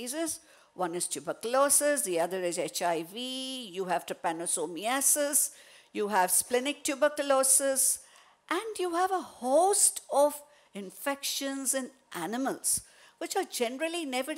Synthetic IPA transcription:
izɪz | wʌ̃nɪz̥tʰjubəkəlɔsɪsd̪iʌd̪əɾɪzet͡ʃaɪvijuɦæv̥ʈəpænosoːmiæsɪz | juːɦæʋsplɪnɪk̚ʈʰjubəklɔːsɪz | ʔæ̃ɳɖjuæʋəhoːsʈɔʋ | ɪ̃ɱfɛkʃə̃nzɪ̃n | ʔænɪməlz̥ | ʋɪt͡ʃaɾd͡ʒɛnəɾəlinɛʋə

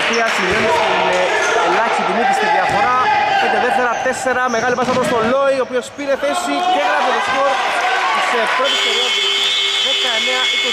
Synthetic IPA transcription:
piɐsivenitimeɐlɐçi̥sit̪imip̪ist̪iðiɐfo̞ɾɐet̪ɐðeft̪eɾɐt̪e̞se̞ɾɐme̞ɣɐlipɐsɐpɾost̪olo̞iopio̞spiɾe̞θe̞siceɐnɐðilismot̪ispɾot̪est̪oɾiɐsðekɐeneɐʔiko

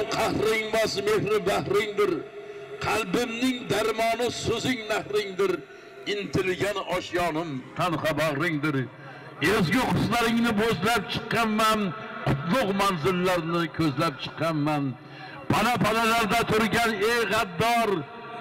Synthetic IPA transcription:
qʰɑhɾɪŋmɒsmehɾɪbahɾɪŋd̪ɪɾqʰɑlˠbɪmnɪŋd̪aɾmɒnɪsɵzɪŋnahɾɪŋd̪ɪɾ | ɪnt̪ʰɪlɡʲanɒʃjɒnɪmt̪ʰɑnhɑbaʁɾɪŋd̪ɪɾ | ezɡʲɪqʰʊslaɾɪŋnɪbozlap̚t͡ʃʰɨ̥qːɑnmanqʰʊt̪lˠʊqmanzɪlːaɾnɪkʲʰɵzlap̚t͡ʃʰɨ̥qʰːɑnman | pʰanapʰanalaɾd̪at̪ʰʊɾɡʲaneʁɑd̪ːɒɾ

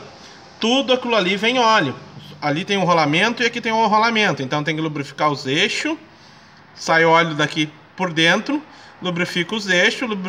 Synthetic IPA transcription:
t̪ud̪ʊakilʊalivẽj̃ɔlʊalit̪ẽj̃ʊ̃ɦolamẽnt̪ʊɪakit̪ẽj̃ʊɦolamẽnt̪ʊẽnt̪ɐ̃w̃t̪ẽj̃kɪlobɾifi̥kaɾʊzeʃʊ | sajʊɔlʊd̪aki | poɾd̪ẽnt̪ɾʊ | lobɾifikɐʊzeʃʊlub

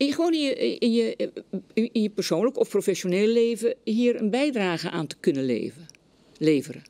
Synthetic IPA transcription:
ɪχəʋoːniəjə | ijəpərsoːnləkɔfprofɛsjoneːlleːvəhiːəɾənbɛjdraːɣəʔaːntə̥kønəlḛː | leːvərə

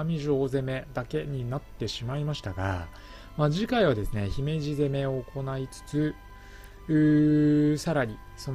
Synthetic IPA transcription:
amʲiʑo̞ːze̞me̞d̪ake̞ɲ̟inat̪ːe̞ɕimaimaɕi̥t̪a̰ɡa̰ | maːʑikaiβ̞ad̪e̞sɨne̞çime̞ʑize̞me̞o̞ːko̞nait͡sɨ̥t͡sɨ | ɯːsaɾaɾʲi | so̞n

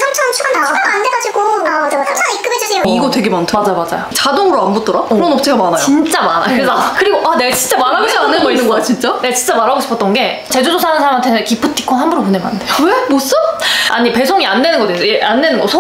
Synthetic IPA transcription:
sʰat͡ɕʰʌŋt͡ɕʰuɡaaaandeɡad͡ʑiɡoaaaaik͈ɯmed͡ʑisʰeoiɡʌtwe̞ɡemantʰɯmad͡ʑajmad͡ʑa̰jot͡ɕadoŋɯɾoanbot͈ʌɾakɯɾonop̚sʰeɡamanajt͡ɕoint͡ɕ͈amana̰kɯɾesʰʌkɯɾiɡoʔane̞ɡat͡ɕint͡ɕ͈amaɾɦaɡoɕʰipnːɯnɡʌinːɯnŋɡʌt͡ɕ͈ʰint͡ɕ͈aneɡat͡ɕint͡ɕ͈amaɾɦaɡoɕʰi̥pʰʌt͈ʌnɡe̞t͡ɕed͡ʑusʰosʰanɯnsʰaɾamantʰenekipʰɯt͈ʰi̥k͈ʰonhambuɾomunema̰ndeowemos͈ɯa̰ɲipe̞sʰʌŋiande̞nɯnɡʌdesʰʌjeande̞nɯnɡʌsʰo

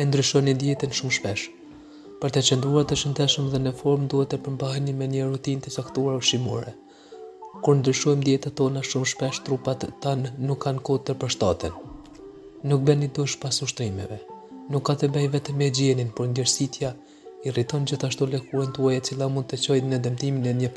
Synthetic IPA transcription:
ɛnd̪ɾyʃɔnind̪jɛt̪ənʃumʃpɛʃ | pəɾt̪ɛt͡ɕɛnd̪ɾuaɾt̪ɛʃənd̪ɛʃəmðɛnɛfɔɾmd̪uhɛt̪ːɛpəɾmbaɦɛnimɛɲərut̪int̪ət͡sakt̪uaɾvʃimṵɾɛ | kuɾnd̪ɾyʃɔjmd̪jɛt̪at̪ɔnaʃumʃpɛʃt̪ɾupat̪t̪ːanːukːankɔt̪əɾpəɾʃt̪at̪in | nuk̚bɛnid̪uʃpasuʃt̪ɾimɛ̰vɛnukːat̪ɛbɛjvɛt̪ɛmɛd͡ʑɛninpɔɾnd̪ɛɾsit̪ja | irit̪ɔnd͡ʑiθaʃt̪ɔlɛkuɾɛnt̪uajɛt͡silˠamund̪̚t̪ət͡ɕɔjt̪nɛd̪əmt̪iminɛɲə

